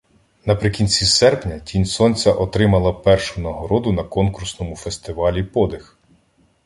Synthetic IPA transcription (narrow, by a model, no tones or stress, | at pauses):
nɐpɾɪkʲinʲt͡sʲisɛrpnʲɐtʲinʲsɔnʲt͡sʲɐʔɔt̪ɾɪmɐlˠɐpɛrʃʊnɐɦɔɾɔd̪ʊnɐkɔnkursnɔmʊfest̪ɪʋɑlʲipɔd̪ɪx